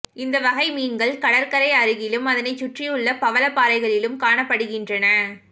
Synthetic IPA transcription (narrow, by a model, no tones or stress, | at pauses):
ɪnd̪ɐʋɐɣɐɪmiːnɡɐɭkɐɽɐɾkɐɾɐɪɐɾɯɣɪlɯmɐðɐnɐɪt͡ʃːʊʈrɪjɯɭːɐpɐʋɐlɐpːaːɾɐɪɣɐɭɪlɯmkaːɳɐpːɐɽɯɣɪndrɐnɐ